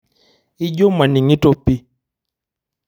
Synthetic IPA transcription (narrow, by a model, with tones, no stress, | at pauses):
i˦d͡ʒo˦ma˨ni˨ŋi˦to˦pi˦